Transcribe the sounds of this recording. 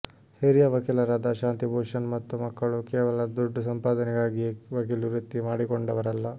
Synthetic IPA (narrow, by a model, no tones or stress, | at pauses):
heɾijɐʋɐkiːlɐɾaːd̪ɐʃaːnt̪ibʱoːʂɐnmɐt̪ːumɐkːɐɭukeːʋɐlɐd̪uɖːɐsɐmpaːd̪ɐnɛɡaːɡiʋɐkiluɾut̪ːimaːɽikoɳɖɐʋɐɾɐlːɐ